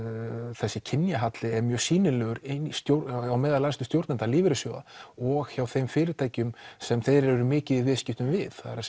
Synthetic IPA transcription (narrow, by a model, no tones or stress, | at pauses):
θɛsːɪcʰɪnjaɦat̪lɪɛɾmjœ̥siːnɪlœːɣʏɾenist̪jowawmɛːðalast̪ʏst̪jowɾt̪nɛnt̪aliːvɪɾɪsjowða̰ɔɣçawθejmfɪːɾɪt̪ʰaːjcʏmsɛmθejɾɛɾʏmɪːcɪðivɪscɪht̪ʏmvɪθθaɾa